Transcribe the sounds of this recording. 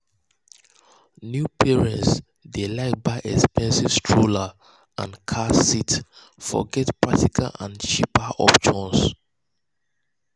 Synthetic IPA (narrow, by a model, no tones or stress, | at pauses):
njupʰiɹɛ̃nts | delaɪk̚baɪʔɛkspɛ̃nsiv̥stʰɹola | ã̰nkʰasit | fɔ̰ɡɛtpɹak̚tikʰa̰lã̰nt͡ʃipaʔɔ̰pʃɔ̃ns